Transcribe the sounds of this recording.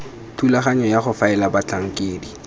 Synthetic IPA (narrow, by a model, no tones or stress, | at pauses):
tʰulaχaɲɔjaχʊfaɛlabat͡ɬaŋ̩kʼeːdi